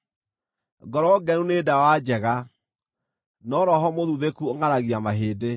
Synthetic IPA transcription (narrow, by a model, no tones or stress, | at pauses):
ɡɔɾɔɡɛnunedawad͡ʑɛɣa | nɔɾɔɦɔmoðuðekuoŋaɾaɣiamaɦeːde